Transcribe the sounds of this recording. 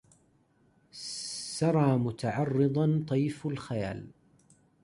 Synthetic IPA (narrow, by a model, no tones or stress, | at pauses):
sɑɾˤɑːmʊt̪aʕɑrˤːɨd̪ˤɑnt̪ˤɑjːfalxaja̰ːl